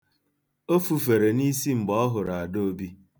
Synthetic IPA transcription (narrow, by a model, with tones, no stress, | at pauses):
o˦fu˨fe˨ɾe˨ni˦si˦ŋ͡m̩˨ɡ͡bɔ˦ɔ˦ɦʊ˨ɾa˨a˨do˦o˦bi˦